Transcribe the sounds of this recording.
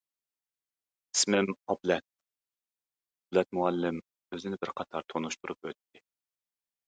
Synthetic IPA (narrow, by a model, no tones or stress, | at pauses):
i̥smɪmɑblɛt̪̚ | blɛt̪̚muɛlːɪm | øzɪnɪbɪɾqʰɑt̪ʰɑɾt̪ʰonuʃt̪uɾupøt̪ʰːɪ